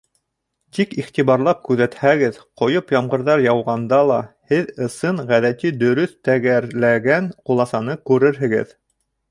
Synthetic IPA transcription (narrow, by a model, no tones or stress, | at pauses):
t̪ikiχt̪iβɑɾlˠɑp̚kʉðæt̪hæɡɘðqŏjopjɑmʁɤ̆ɾðɑɾjɑwʁɑnd̪ɑlˠɑhɘðɤ̆sɤɴʁæðæt̪id̪ɵ̆ɾɵθt̪æɡæɾlæɡænqulˠɑsɑnɤkʉɾɘɾɦɘ̆ɡɘ̰ð